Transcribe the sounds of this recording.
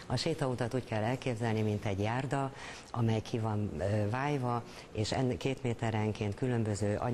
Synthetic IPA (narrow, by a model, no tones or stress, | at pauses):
ɒʃeːt̪ɒut̪ɒt̪uːckɛlːɛlkeːbzɛlnimint̪ɛɟjaːrd̪ɒ | ɒmɛjkʰivɒnːvaːjvɒ | eːʃɛ̰nkeːt̪meːt̪ɛɾɛŋkeːnt̪kylø̞mbøzøːʔɒ̰